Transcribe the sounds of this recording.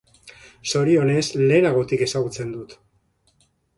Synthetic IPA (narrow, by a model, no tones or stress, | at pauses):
so̞ɾio̞ne̞sle̞ːnaɣ̞o̞t̪ike̞saɣ̞ut͡se̞nd̪ut̪